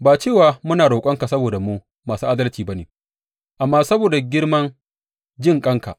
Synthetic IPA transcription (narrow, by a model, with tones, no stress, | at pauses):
baː˨t͡ʃeː˦˨waː˨mʊ˦naː˨ɽoː˨kʷʼɐ˦ŋka˨sɐ˦boː˨da˨mu˦ | maː˨suː˦ʔa˦dɐ˦lt͡ʃiː˨ba˦neː˨ | ʔa˨mːaː˦sɐ˦boː˨da˨ɡʲɪ˦ɽmɐ˦n | d͡ʒɪ˦ŋkʼɐ˦ŋka̰˨